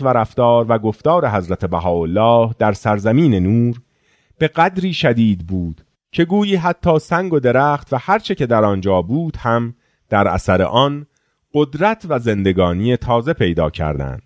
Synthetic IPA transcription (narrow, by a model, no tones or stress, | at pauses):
væɾæft̪ɒːɾvæɡo̞ft̪ɒːɾe̞ɦæzɾæt̪ʰe̞bæɦɒːolːɒːhd̪̥æɾsæɾzæmiːne̞nuːɾ | b̥e̞ɣæd̪ɾiːʃæd̪iːd̪̚buːd̪̥ | cʰe̞ɡuːjiːɦæt̪ʰːɒːsæŋɡo̞d̪e̞ɾæːxt̪væhæɾt͡ʃʰe̞ce̞d̪æɾɒnd͡ʒɒːbuːd̪̥hæm | d̪̥æɾʔæ̰sæɾe̞̰ʔɒn | ɢod̪ɾæt̪ʰvæze̞nd̪e̞ɡɒːnijet̪ʰɒːze̞pʰe̞jd̪ɒ̰ːcʰæ̰ɾd̪æ̰nd̪̥